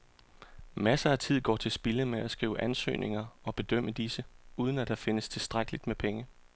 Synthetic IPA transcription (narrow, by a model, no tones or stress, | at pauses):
mæsɐæt͡sʰið̞̰ˠɡ̥ɒ̰ːt͡sʰe̝lsb̥iləmeæsɡ̥ʁḭːʊəʔænsø̰ːnʔe̝ŋɐɒ̽b̥e̝d̥œm̰əd̥isəuːð̞ˠən̩æd̥ɑ̈fe̝nəst͡sʰe̝lsd̥ʁaɡ̥əlid̥mepʰeŋə